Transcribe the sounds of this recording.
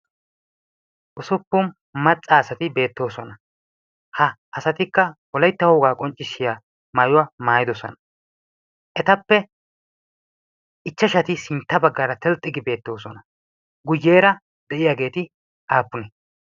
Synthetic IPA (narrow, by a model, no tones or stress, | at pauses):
ʔʊsʊpːʊm | mɐt͡sʼːaːsɐt̪ɪbe̞ːt̪ːo̞ːsɔnɐ | hɐːsɐt̪ɪkːɐwɔlɐjt̪ːɐhoːɡaːkʼɔnt͡ʃʼːɪsːɪjaː | maːjʊwamaːjɪd̪ɔsɔ̰nɐ | ʔɛt̪ɐpːɛ | ɪt͡ʃːɐʃɐt̪ɪsɪnt̪ːɐbɐɡːɐɾɐt̪ɛlt̪ʼːɪɡɪbe̞ːt̪ːo̞ːsɔnɐ | ɡʊjːeːɾɐ | d̪ɛʔɪjaɡe̞ːt̪ɪ | ʔaːpːʊnɛ